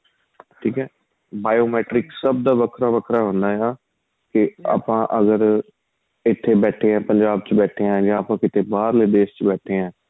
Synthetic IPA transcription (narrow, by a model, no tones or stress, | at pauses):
ʈʰiːkɛː | baːjoːmɛːʈɾɪksəb̚d̪aːʋəkʰɾaːʋəkʰɾaːɦʊ̃nd̪aːjaː | kɪa̰ːpãːʔəɡəɾ | ɪt̪ʰːeːbɛːʈʰeːɛ̃ːpəɲd͡ʒaːbt͡ʃbɛːʈʰeːɛ̃ːd͡ʒãːaːpãːkɪt̪eːbaːɾleːɖeːst͡ʃbɛːʈʰeːɛ̃ː